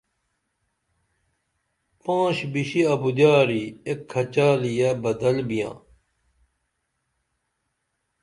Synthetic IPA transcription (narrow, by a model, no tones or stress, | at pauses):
pãːɕbiɕiɐbud̪jaːɾiekʰːɐt͡ɕaːlijebɐd̪ɐlbijã̰ː